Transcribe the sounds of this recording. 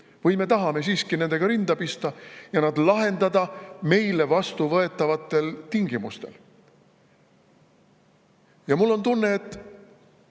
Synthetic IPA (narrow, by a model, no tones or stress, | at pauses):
vɤjme̞t̪ɑɦɑme̞siːskine̞nd̪e̞ɡ̥ɑɾind̪̥ɑpist̪ɑjɑnɑd̪lɑɦe̞nd̪ɑd̪ɑme̞jle̞vɑst̪uvɤe̞t̪ːˑɑvɑt̪ːˑe̞lt̪iŋɡ̥imust̪e̞̰l | jɑmulːo̞nt̪unːe̞ːt̪ːˑ